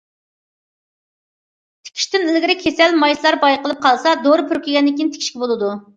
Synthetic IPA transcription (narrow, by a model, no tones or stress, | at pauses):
t̪ʰe̥kʲʰi̥ʃt̪ɪnɪlɡʲɪɾɪkʲʰesɛlmɑjslˠɑɾbɑjqəlˠɨp̚qʰɑlˠsɑd̪oɾɨpʰyɾkʲiɡʲɛnːɪkʲint̪ʰe̥kʲi̥ʃkʲibolˠɨd̪u